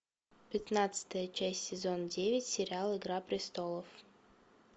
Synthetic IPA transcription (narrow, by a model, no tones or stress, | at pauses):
pʲɪt̪nat̪sɨ̥t̪əjət͡ɕæsʲtʲsʲɪzo̞ndʲevʲɪtʲsʲɪɾʲɪalˠɪɡɾapɾʲɪst̪o̞lˠəf